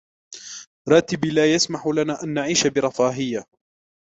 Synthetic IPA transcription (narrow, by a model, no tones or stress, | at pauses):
ɾˤɑːt̪ɪbilaːjasmaħʊlanaːʔanːaʕiːʃabɪɾˤɑfaːɦɪjːa